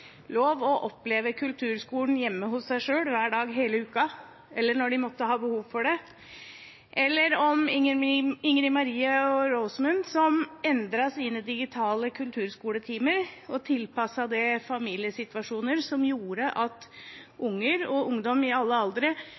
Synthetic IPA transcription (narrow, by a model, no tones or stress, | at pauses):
loːʋɔʔɔpleːʋəkʰʉlt̪ʰʉːɾskuːln̩jɛmːəɦʊsːæɪʂøːɽʋæːɖɑːɡɦeːləʉːkɑ | ɛlːəɳɔɖɪmɔt̪ːəɦɑːbəhuːʋfɔɖɛ | ʔɛlːəɾɔm | ɪŋɾɪmɑɾiːəɔɾoʊsmʉnsɔmɛnd̪ɾɑsiːnəd̪ɪɡɪt̪ʰɑːləkʰʉlt̪ʰʉːɾskuːɽət̪ʰiːməɾɔt̪ʰɪlpɑsɑd̪ɛfɑmiːlɪəsɪt̪ʋɑʂuːnəɾsɔmjuːɾəʔɑt̪ʔʊŋːəɾɔʔʊŋd̪ɔmɪɑlːəɑld̪ɾə